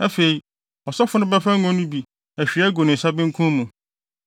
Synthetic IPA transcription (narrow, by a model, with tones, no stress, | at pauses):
æ˦fe˨i˨ | ɔ˨sɔ˦fʊ˦nʊ̃˦bɛ˦fa˦ɔ̃˦nʊ̃˦bi˨ | æ˨ɕᶣi˨a˦ɡo˨nɪ̃˨n̩˨sa˦bɪ̃˦ŋ̩˦kʰũ˦mũ˨